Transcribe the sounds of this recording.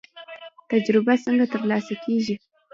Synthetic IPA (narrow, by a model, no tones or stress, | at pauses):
t̪ad͡ʒɾɪbasəŋɡat̪əɾlɑsakʰeʒi